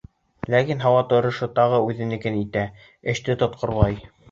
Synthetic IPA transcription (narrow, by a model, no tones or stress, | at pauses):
lækinɦɑwɑt̪ŏɾɤ̆ʃɤt̪ɑʁɤʉðɘ̆nɘ̆kɘnit̪æ | ɘ̆ʃt̪ɘt̪ŏt̪̚qʰŏɾlˠɑj